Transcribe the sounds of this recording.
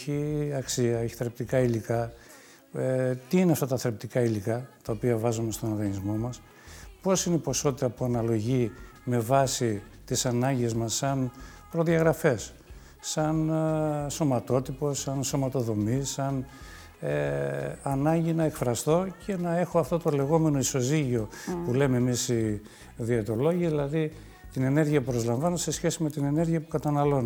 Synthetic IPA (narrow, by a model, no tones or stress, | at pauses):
çiɐksiɐeçi̥θɾep̚t̪ikɐilikɐ | et̪iineɐft̪ɐt̪ɐθɾep̚t̪ikɐilikɐt̪ɐopiɐvɐzome̞st̪o̞nɐɣɐnizmo̞mɐs | po̞sineipo̞so̞t̪it̪ɐpuɐnɐlo̞ʝime̞vɐsi | t̪isɐnɐɲɟezmɐsɐn | pɾo̞ðiɐɣɾɐfe̞sː | ɐn | so̞mɐt̪o̞t̪ipo̞sɐnso̞mɐt̪o̞ðo̞misɐn | eɐnɐɲɟinɐekfɾɐst̪o̞cʰe̞nɐe̞xo̞ɐft̪o̞t̪o̞le̞ɣo̞me̞no̞iso̞ziʝio̞pule̞memisi | ðiet̪o̞lo̞ʝiðilɐði | t̪ine̞ne̞ɾʝiɐpupɾo̞zlɐɱvɐnose̞sçe̞sime̞t̪ine̞ne̞ɾʝiɐpukɐt̪ɐnɐlo̞n